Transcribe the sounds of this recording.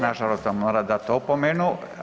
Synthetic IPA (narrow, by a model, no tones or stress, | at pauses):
naʒaɾost̪amoːɾad̪at̪opomenu